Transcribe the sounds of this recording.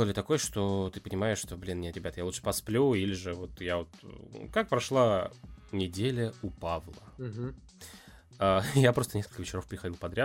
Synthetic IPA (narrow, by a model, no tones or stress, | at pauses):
lˠəlʲɪt̪ɐko̞jəʂt̪o̞t̪ɨpənʲɪmaɪʂʂt̪o̞blʲinːnʲet̪ɾʲɪbʲat̪jalˠuʂə̥pɐsplʲuilʲɪʐɨvo̞t̪javot̪kak̚pɾɐʂlˠanʲɪdʲelʲəupavlˠə̰ | ajapɾo̞st̪ənʲeskəlʲkəvɪt͡ɕɪɾo̞fpɾʲɪxɐdilˠpɐd̪ɾʲa